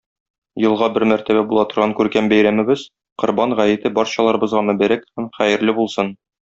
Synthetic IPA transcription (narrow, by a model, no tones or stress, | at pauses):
jɤ̆lˠʁɑbɘɾmæɾt̪æβæbulˠɑt̪ŏɾʁɑŋkʉɾkæmbæjɾæmɘ̆bɘz̥ | qŏɾbɑɴʁæjɘ̆t̪ɘbɒɾɕɑlˠɑɾɤ̆bɤ̆zʁɑmæ̆bæɾækhæmχæjɘ̆ɾlɘbulˠsɤn